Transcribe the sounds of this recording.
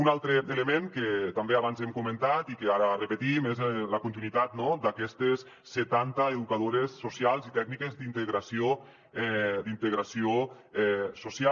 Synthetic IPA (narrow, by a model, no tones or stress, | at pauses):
unalˠt̪ɾeeləmeŋket̪ambeaβanzɛmkumə̃nt̪at̪ikeaɾərəpət̪imezləkunt̪inwit̪at̪̚nɔd̪akɛst̪esːet̪ant̪əeðukaðoɾesːusialˠzit̪ɛɡnikezd̪int̪eɣɾasio | ɛd̪int̪əɣɾasio | ɛsusia